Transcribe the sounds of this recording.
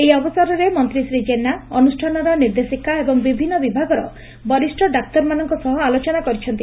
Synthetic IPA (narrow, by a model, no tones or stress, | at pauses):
eiɔbɔsaɾɔɾemɔnt̪ɾisɾid͡ʒenaɔnusʈʰanɔɾɔniɾd̪esikaebɔŋbibʱinːɔbibʱaɡɔɾɔ̰ | bɔɾisʈʰɔɖak̚t̪ɔɾmanɔŋkɔsɔɦɔalot͡ʃɔnakɔɾit͡ʃʰɔnt̪i